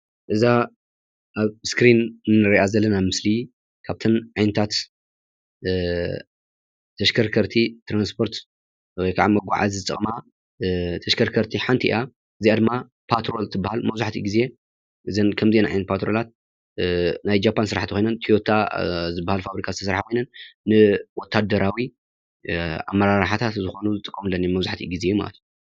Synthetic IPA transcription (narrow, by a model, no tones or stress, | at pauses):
ʔɨza | ʔaβskɾinnːɨɾiʔazɐlːɐnamɨsli | kʰaβt̪ʰɐnʕajnɐt̪ʰat̪ | t̪ʰɐʃkʰɐɾkʰɐɾt̪ʰit̪ʰɾanspʰo̞ɾt̪ | wɔjkʰaʕa̰mɐɡʷa̰ʕa̰zzɨt͡sʼɐ̰χʼma | t̪ʰɐʃkʰɐɾkʰɐɾt̪ʰiħant̪ʰiʔḭʔa | ʔɨziad̪ɨmːa | pʰat̪ɾo̞lt̪ʰɨbːahalmɐβzuħt̪ʰḭɡize̞ | ʔɨzɐnkʰɐmzienʕijnpʰat̪ɾo̞lat̪̚ | najd͡ʒapʰːansɨɾaħt̪ʰikʰʷo̞jnɐnt̪ʰiot̪ʰazɨbːahalfaβɾikʰazɨt̪ʰɐsɾħakʰojnɐnːɨwɔt̪ʰːad̪ɐɾawi | a̰mːɐɾaɾħat̪ʰat̪zɨxo̞nuzɨt̪ʼɨkʼːɐmɨlːɐnːjimɐβzaħt̪ʰḭɡizejuma̰lɐ̰t̪ʰju